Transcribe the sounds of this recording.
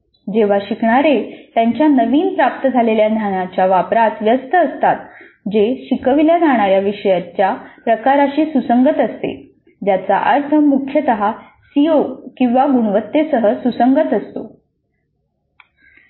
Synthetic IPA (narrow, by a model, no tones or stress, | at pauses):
d͡ʑeʋ̤aɕikɳ̃aɾet̪jaɲt͡ɕjanəʋiːnpɾap̚t̪əd͡zʱaleljad̪ʱjanat͡ɕjaʋapɾat̪ʋjəst̪əəst̪at̪̚ | d͡ʑeɕikəʋiljad͡zaɽ̃aɾjaʋiʂəjat͡ɕjapɾəkaɾaɕiːsusəŋɡət̪əst̪ḛ | d͡ʑjat͡sa̰ʔəɾt̪ʰəmukʰjət̪əɦa | siokĩw̃ʋaɡuɳ̃ʋət̪ːesəɦəsusəŋɡət̪əst̪o̰